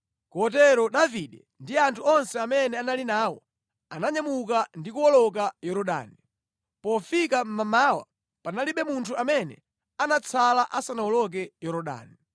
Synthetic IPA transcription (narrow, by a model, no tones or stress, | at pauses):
kɔt̬ɛɾɔɗaviɗɛ | ndiantʰuɔnsɛamɛnɛanalinaːwɔ̰ | anaɲamuk̬andikuwɔlɔk̬ajɔɾɔɗa̰ːni | pɔfikam̩mamaːwa̰ | panaliɓɛmuntʰuamɛnɛ̰ | anat͡sʰalaʔasanawɔlɔk̬ɛjɔɾɔɗa̰ːni